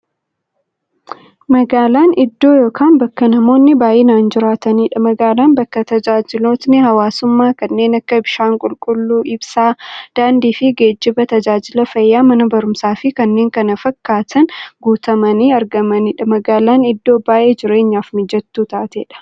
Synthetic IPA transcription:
mɐɡaːlaːnɪd̪ːo̞ːjo̞ːkʰaːnbɐkːɐnɐmo̞ːnːɪbaːʔeːnaːnd͡ʒɪɾaːt̪ɐniːᶑɐmɐɡaːlaːnbɐkːɐt̪ɐd͡ʒaːd͡ʒɪlo̞ːt̪nɪhɐwaːsʊmːaːkɐnːe̞ːnɐkːɐbɪʃaːŋkʼʊlkʼʊlːuːʔɪbsaːd̪̥aːnd̪iːfɪɡeːd͡ʒːɪbɐt̪ɐd͡ʒaːd͡ʒɪlɐfɐjːaːmɐnɐbɐɾʊmsaːfɪkɐnːe̞ːŋkɐnɐfɐkːaːt̪ʰɐnɡuːt̪ɐmɐniːɐɾɡɐmɐniːᶑɐmɐɡaːlaːnɪd̪ːo̞ːbaːʔe̞ːd͡ʒɪɾe̞ːɲːaːfnɪd͡ʒɛt̪ːuːt̪aːt̪ḛːᶑɐ̥

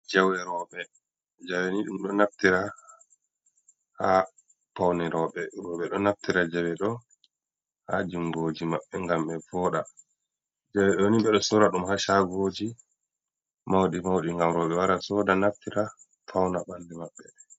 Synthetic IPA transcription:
d͡ʒawɛɾɔɓɛ | d͡ʒawɛniɗumɗɔnaftiɾa | ha | pawnɛɾɔɓɛɾɔɓɛɗɔnaftiɾad͡ʒawɛɗɔ | had͡ʒuŋɡod͡ʒimaɓːɛŋɡamɓɛvɔːɗa | d͡ʒawɛɗɔwniɓɛɗɔsɔɾaɗumhaʃaɡod͡ʒi | mawɗimawɗiŋɡamɾɔɓɛwaɾasɔdanaftiɾa | fʰawnaɓandɛmaɓːɛ

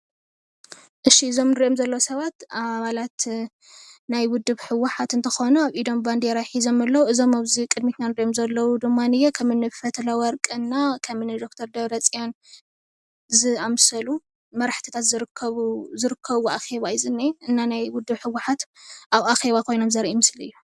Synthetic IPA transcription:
ʔɨʃiɨzo̞mnɨɾiʔomzɐlːɐwsɐβat̪aβalat̪ | najwʊd̪ːɨβħɨwɨħat̪ɨnt̪ʰɐxonuaβʔid̪o̞mband̪eɾajħizo̞mɨlːɐwuɨzo̞maβzikʼɨd̪mit̪nanɨɾiʔomzɐlːɐwud̪ɨmːanɨjɛkʰɐmɨnːɨffɐt̪ʰlawɐɾkʼɨnːakʰɐmɨnɨd̪o̞kt̪ʰɐɾd̪ɐβɾɐt͡sʼijan | zɨamsɐlu | mɐɾħt̪ʰi̥t̪ʰat̪zɨɾɨkʰːɐzɨɾɨkʰːɐβuaxe̞βaizɨnːɐɨnːanajwʊd̪ːɨβħɨwːaħat̪ʔaβaxe̞βakʰo̞jno̞mzɐɾʔimɨslɨ̰jːu

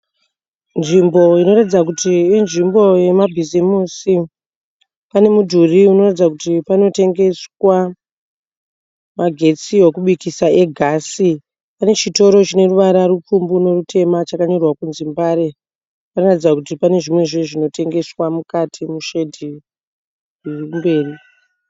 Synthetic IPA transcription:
nʐimbo̞ino̞ratid͡zak̬utiːnʐimbo̞je̞mabʱizimusi | pane̞mudʱuriuno̞ratid͡zak̬utipano̞te̞ŋɡe̞swa | maɡʱe̞t͡siwokuɓuikisae̞ɡʱasi | pane̞t͡ʃito̞ɾo̞t͡ʃine̞ruʋaɾaɾup͡fumbuno̞rutʰe̞mat͡ʃakaɲo̞rwakunzimbaɾe | panoratid͡zakutipane̞ʐimwe̞ʐeʐino̞te̞ŋɡe̞swamukatʰimuʃe̞dʱi | imbe̞ːri

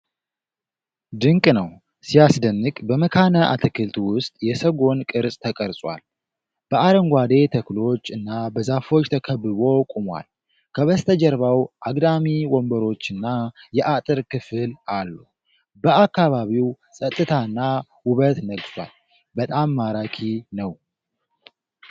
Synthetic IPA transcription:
d̪ɨŋkʼnəw | sijasd̪ənːɨkʼbəməkʰanəʔa̰t̪ʰɨkʰɨlt̪wʊst̪ʼjɛsəɡo̞nkʼɨɾsʼt̪ʰəkʼəɾsʼwa̰l | b̥əaɾəŋɡʷad̪e̞t̪ʰəklo̞t͡ʃːɨnːabəzafo̞t͡ʃːt̪ʰəkʰəbːɨβo̞kʼumwa̰l | kʰəβəst̪ʰəd͡ʒɛɾβawʔaɡd̪amiwɔmbəɾo̞t͡ʃːɨnːajɛʔat̪ʼɨɾkɨfɨlalːu | bəakːaβaβiw | sʼət̪ʼːɨt̪ʰaɨnːa | wʊβət̪nəɡswa̰l | bət̪ʼamːaɾakʰinəw

